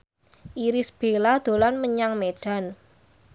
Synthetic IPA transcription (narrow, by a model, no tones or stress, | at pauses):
ʔiɾɪsb̥e̤lad̪̥o̤lanməɲaŋmeɖ̥a̤n